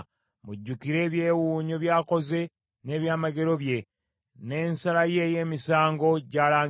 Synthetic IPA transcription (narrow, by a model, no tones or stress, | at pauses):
muɟːukiɾe̞ːβjeːwuːɲoβjaːko̞ze̞ | ne̞ːβjaːmaɡe̞ɾo̞βje̞ | ne̞ːnsalaje̞je̞ːmisaːŋɡo̞ɟaːlaː